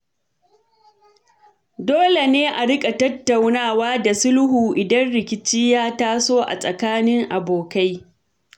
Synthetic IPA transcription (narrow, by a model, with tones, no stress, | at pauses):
doː˦le˨neː˦ʔa˨ɽɪ˦kʼa˨tɐ˦tːa˨wnaː˦˨waː˦da˨sʊ˦lhuː˨ʔɪ˨dɐ˦nɽɪ˨kʲɪ˨t͡ʃɪ˦jaː˦taː˦soː˦ʔa̰˨sʼɐ˨kaː˦nɪ˦ŋʔa˨boː˨ka˦j